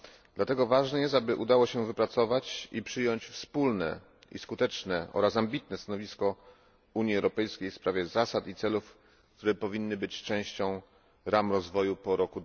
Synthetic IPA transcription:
d̪lat̪ɛɡɔvaʐnɛjɛst̪abɘʔud̪awɔɕɛvɘpɾat̪sɔvat͡ɕipʂɘjɔɲt͡ɕfspulnɛ̰ | ḭskut̪ɛt͡ʂnɛʔɔ̰ɾasambʲit̪nɛst̪anɔvʲiskɔ | uɲiɛwɾɔpɛjskʲejfspɾavʲjɛzasat̪it̪sɛluf | kt̪uɾɛpɔvʲinːɘbɘt͡ɕt͡ʂɛ̃w̃ɕt͡ɕɔ̃w̃ | ɾamɾɔzvɔjupɔɾɔkud̪

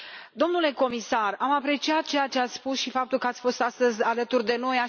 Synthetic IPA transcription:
d̪o̞mnule̞ko̞misaramapɾe̞t͡ʃiat̪̚t͡ʃe̞jat͡ʃe̞at̪sʲspusʃifap̚t̪ulkəat̪sʲfo̞st̪ast̪əzʲalət̪urd̪e̞no̞ja

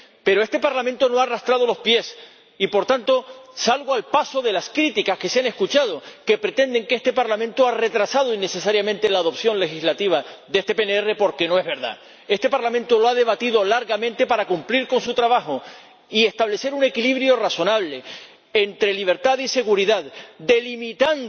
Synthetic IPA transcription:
pe̞ɾo̞e̞st̪e̞paɾlament̪o̞no̞arast̪ɾað̞olo̞spje̞s | ipo̞ɾt̪ant̪o̞salɣoalpaso̞ðe̞laskɾit̪ikaske̞seane̞skut͡ʃað̞o̞ke̞pɾe̞t̪ẽ̞nd̪e̞ŋkest̪e̞paɾlamẽnt̪oare̞t̪ɾasað̞oinːe̞se̞saɾjamẽnt̪elaːðo̞pθjõ̞nle̞xizlat̪iβaðest̪e̞peneere̞po̞ɾke̞no̞e̞ɦβe̞ɾða̰ | e̞st̪e̞paɾlamẽnt̪o̞loaðe̞βat̪iðo̞laɾɣamẽnt̪e̞paɾakumpliɾko̞nsut̪ɾaβaxo | ie̞st̪aβle̞se̞ɾune̞kiliβɾjo̞raso̞naβ̞le̞ | ent̪ɾeliβ̞e̞ɾt̪aðise̞ɣuɾiðaðd̪e̞limit̪an

